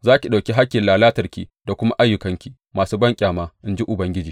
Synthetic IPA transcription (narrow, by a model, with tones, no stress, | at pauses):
zaː˦kʲi˨ɗa˨kʲi˦ɦa˦kʲːɪ˨laː˨laː˦tɐ˨rkʲḭː˨da˨kʷʊ˦ma˦ʔa˦jːʊ˨kɐ˦ŋkʲi˨ | maː˨suː˦bɐ˦ŋkʲʼaː˨maː˦ʔɪ˦nd͡ʒi˦ʔʊ˨bɐ˦ŋɡʲɪ˦d͡ʒiː˨